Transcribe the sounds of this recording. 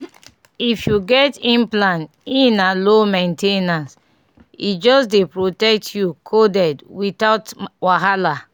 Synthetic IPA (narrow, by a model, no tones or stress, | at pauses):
ifjuɡɛtĩmplãn | ĩnalomẽntenãns | ḭd͡ʒɔsdepɹotɛk̚tʰjukʰodɛdwitaʊtwaɦala